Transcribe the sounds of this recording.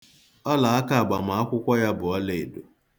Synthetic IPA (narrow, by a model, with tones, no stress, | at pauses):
ɔ˦la˨a˦ka˦a˨ɡ͡ba˨ma˨˦a˦kʷʊ˦kʷɔ˦ja˦bʊ˨ɔ˦le˨e˨do˨